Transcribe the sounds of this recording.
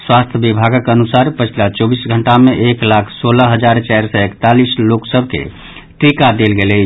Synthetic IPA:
swast̪ʰjəbibʱaɡəkənusaɾpət͡ʃʰilat͡ʃobisɡʱəɳʈameʔeklakʰsoləɦəd͡ʒaɾt͡ʃɛɾsəekt̪alisloksəbʱkḛ | ʈɾikad̪elɡelet͡ʃʰ

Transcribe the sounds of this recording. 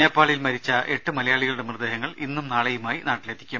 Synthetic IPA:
eːpːaːɭɐjilmɐɾit͡ɕːɐʔe̞ʈːɨmɐlɐjaːɭiɣɐɭuɽe̞mrd̪eːɦɐŋːɐɭinːumnaːɭɐjumaːjinaːʈːilet̪ʰːi̥kʲːum

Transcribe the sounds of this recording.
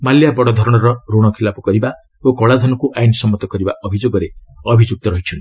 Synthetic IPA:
maljabɔɽɔd̪ʱɔɾɔɽ̃ɔɾɔɾoɽ̃ɔkʰilapɔ̥kɔɾiba | okɔɭad̪ʱɔnɔkuʔajnsɔmːɔt̪ɔkʌɾibaʔɔbʱid͡ʒoɡɔɾeɔbʱid͡ʒuk̚t̪ɔɾʌɦit͡ʃʰɔn

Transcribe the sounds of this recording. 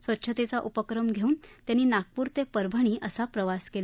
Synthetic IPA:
sʋətːɕʰət̪et͡saʔupəkɾəmɡʱeuːnt̪janːiːnak̚puːɾt̪epəɾbʱəɳ̃iːʔəsapɾəʋaskel

